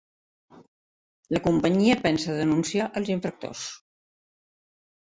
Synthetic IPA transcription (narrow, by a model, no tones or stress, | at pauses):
ləkumpəɲiəpɛnsəðənunsiaʔəlˠziɱfɾək̚t̪o̰s